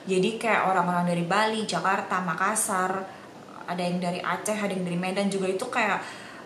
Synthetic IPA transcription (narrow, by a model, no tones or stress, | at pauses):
d͡ʒadikaja̰ʔoɾaŋoɾaŋdaɾibalid͡ʒakart̪amakasar | a̰dajɪŋdaɾiʔa̰t͡ʃɛɦadajŋdaɾimedand͡ʒuɡait̪ukajaʔ